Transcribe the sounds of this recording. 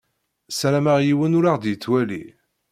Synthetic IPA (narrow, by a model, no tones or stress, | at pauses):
sælæmaʁjiwənʊɾaʁd̪jət͡sːwælḭ